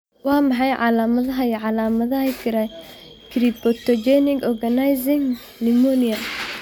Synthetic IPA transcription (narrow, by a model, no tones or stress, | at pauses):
wɑːmɑħɑjʕɑ̰laːmɐðɐɦɐjʕɑlaːmɐðɐhɐjkʰɪɾɐ | kʰɾibɔt̪ɔd͡ʒɛnɪɡɔɡɐnajzɪŋ | lɪmɔnijɐ